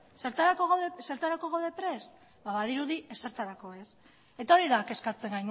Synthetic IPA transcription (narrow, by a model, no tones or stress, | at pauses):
seɾt̪aɾakoɣðese̞ɾt̪aɾako̞ɣawðe̞pɾe̞s | baβaðiɾuðieseɾt̪aɾako̞e̞s | e̞t̪ao̞ɾiðake̞skat͡se̞ŋɡajn